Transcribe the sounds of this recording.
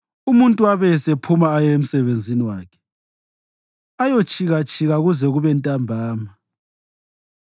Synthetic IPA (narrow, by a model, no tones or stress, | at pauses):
umuntʼuaβɛsepʰumaːjɔem̩sɛβend͡zʱiniwaːkʰɛ̥ | ajot͡ʃʼʰiɣat͡ʃʼʰiɣaɣuzɛɣuβɛntʼambʱaːma